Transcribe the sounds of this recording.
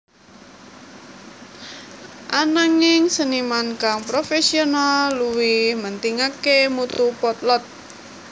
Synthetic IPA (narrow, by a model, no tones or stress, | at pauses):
ʔanaŋɪŋsənimankaŋpɾofesionalːuwimənt̪iŋakemut̪upɔt̪lɔt̪̚